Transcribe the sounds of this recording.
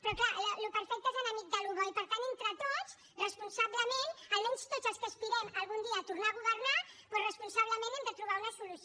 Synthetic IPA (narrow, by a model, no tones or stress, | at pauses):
pɾɔklaləlupəɾfɛk̚t̪əezənəmik̪̚d̪əluβəipəɾt̪anent̪ɾət̪ot͡s | rəspunsaβləmenəlmɛnst̪ozəlˠskəspiɾɛməlˠɣ̞und̪iəːt̪urnaːɣuβərnapɔrəspunsaβləmẽnɛmd̪ət̪ɾuβ̞aunəsulus